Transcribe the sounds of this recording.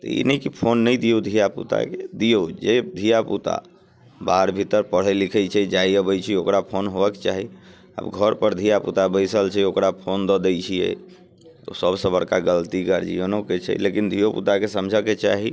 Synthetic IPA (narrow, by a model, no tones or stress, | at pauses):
t̪ɔ̰ḭnəikipʰonːəjd̪ijod̪ʱijapṵt̪a̰ked̪ijod͡ʒed̪ʱijaput̪a̰ | baɦəɾbʱit̪əɾpəɽ̤ɛlikʰɛjt͡ʃʰɛd͡ʒaiəbəjt͡ʃʰiokɾapʰonɦobəkt͡ʃaɦi | ə̰bɡʱəɾpəɾd̪ʱijapṵt̪abəjsəlt͡ʃʰɛokɾapʰond̪ɔd̪ɛjt͡ʃʰijɛ̰ | o̰səbsəbəɾkaɡəlt̪iɡəɾd͡ʒḭənoket͡ʃʰɛ̰lekind̪ʱijopṵt̪akesəmd͡ʒʱəket͡ʃaɦi